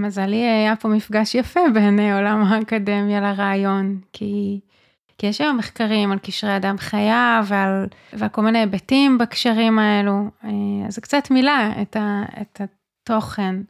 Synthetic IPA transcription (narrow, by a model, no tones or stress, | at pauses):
mazaliaajapo̞mifɡaʃjafe̞beneo̞lamhaːkade̞mjalaʁaːjo̞nkʰi | kijeʃajomeχkaʁimalkiʃʁeadamχajavealvealko̞lminebetimbakʃaʁimaeluea̰zkt͡satmilaḛtaḛta | to̞χe̞n